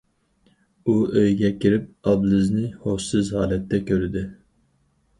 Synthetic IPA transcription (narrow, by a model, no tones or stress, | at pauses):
uøjɡʲɛkʲiɾɪp̚ɑblɨznɪhoʃsɨzhɑːlɛt̪ːɛkʲʰøɾɪd̪ɪ